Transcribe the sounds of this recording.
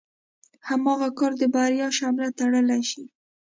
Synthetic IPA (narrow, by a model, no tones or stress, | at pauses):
hamɑɣakɑɾd̪əbaɾjɑʃɑmɪlat̪aɽəlaʃi